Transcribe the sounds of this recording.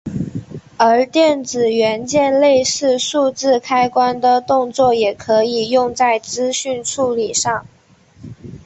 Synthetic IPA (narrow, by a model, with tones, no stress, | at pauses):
ə˧˥t̪jɛ˥˩nt͡sɹ̩˨˩ɥɛ˧˥nt͡ɕjɛ˥˧nle˥˧ɪʂɻ̩˥˧ʂu˥˧t͡sɹ̩˥˩kʰa˥ɪkwa˥nd̪ə˨t̪ʊ˥˧ŋt͡swɔ˥˩jɛ˨˩kʰɤ˧˥i˨˩jʊ˥˧ŋt͡sa˥˩ɪt͡sɹ̩˥ɕy˥˧nʈ͡ʂʰu˥˩li˨˩ʂɑ˥˩ŋ